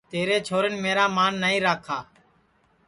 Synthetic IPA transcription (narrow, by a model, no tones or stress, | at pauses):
t̪eːɾeːt͡ʃʰoːɾɪnmeːɾaːmaːnːəːĩːɾaːkʰaː